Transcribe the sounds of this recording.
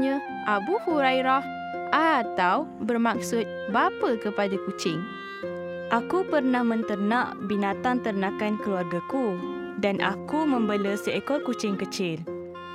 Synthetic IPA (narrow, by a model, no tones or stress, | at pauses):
ɲə̃ | ʔabuhuɾajɾah | ʔat̪awbərmak̚sʊt̪̚bapəkəpadakut͡ʃɪŋ | ʔakupərnahmə̃nt̪ərnãʔbinat̪aŋt̪ərnãkankəluarɡaku | danʔa̰kumə̃mbələsəɛkɔlkut͡ʃɪŋkət͡ʃɪl